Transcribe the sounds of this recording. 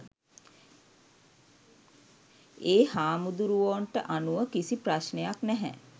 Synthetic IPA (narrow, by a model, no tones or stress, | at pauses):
eːhaːmud̪uɾuʋoɳʈəʔanuʋəkisipɾaʃnejaknɛɦæ̰